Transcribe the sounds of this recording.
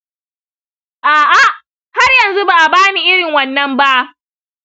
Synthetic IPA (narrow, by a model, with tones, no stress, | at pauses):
ʔaː˨ʔa˦ʔ | ha˦rjɐ˨nzu˦baː˨ʔa˨baː˦ni˦˨ʔɪ˦ɽɪ˨ŋwɐ˨nːɐ˦mba˦ʔ